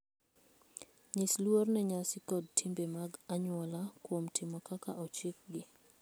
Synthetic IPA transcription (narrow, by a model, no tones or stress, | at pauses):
ɲɪslwornɛɲasɪkɔdtʰimbemaɡaɲwɔlakwomtʰɪmɔkakaʔɔt͡ʃɪk̚ɡɪ